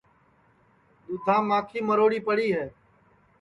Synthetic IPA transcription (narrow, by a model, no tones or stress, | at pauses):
d̪ʊd̪ʱãːmãːkʰiːməɾoːɽiːpəɽiːɦɛː